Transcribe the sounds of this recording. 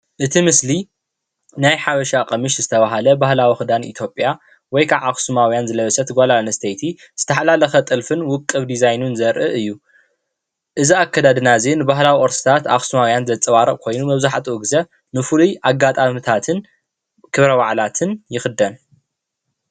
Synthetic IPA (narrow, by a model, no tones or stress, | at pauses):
ʔɨt̪ʰimɨsli | najħaβɐʃaqʼɐmɨʃzɨt̪ʰɐβaɦalɐbahlawixɨd̪anḭt̪ʰjo̞pʼja | wɔjkʰaβaxsumawjanzɨlɐβɐsɐt̪ʰɨɡʷalanɐst̪ʰɐjt̪ʰi | z̥ɨt̪ʰɐħalalɐxɐt̪ʼɨlfɨnwʊkʼːɨβd̪izajnunzɐɾʔɨʔɨjːu | ʔɨziakʰːad̪ad̪ɨnazenɨbaɦlawiʔoɾsi̥t̪ʰat̪a̰xsumawjanzɐt͡sʼɨwaɾɐʔʼkʰo̞jnumɐβzaħt̪ʰʼuɨɡzɐ | nɨfɨlujʔaɡːat̪ʼamɨt̪ʰat̪ʰɨn | kʰɨβɾɐβaʕlat̪ʰɨnjɪxɨd̪ɐn